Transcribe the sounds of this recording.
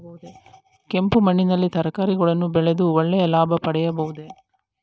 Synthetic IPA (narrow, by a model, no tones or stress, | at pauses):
bɐud̪e | ke̞mpumɐɳːinɐlːit̪ɐɾɐkaːɾiɡɐɭɐnːubɛɭed̪uʋɔɭːɛjɐlaːbʱɐpɐɽɛjɐbɐʋud̪e̞